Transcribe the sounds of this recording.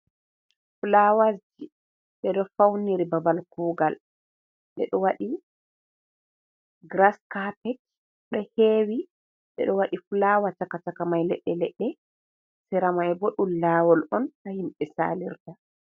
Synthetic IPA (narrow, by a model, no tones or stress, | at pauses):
fulawasd͡ʒi | ɓɛɗɔfawniɾibabalkuːɡal | ɓɛɗɔwaɗi | ɡɾaskapɛt͡ʃ | ɗɔheːwi | ɓɛ̰ɗɔwaɗifulawat͡ʃakat͡ʃakamajlɛ̰ɗːɛlɛɗːɛ | sɛɾamajbɔɗulaːwɔlɔntahimɓɛsa̰liɾta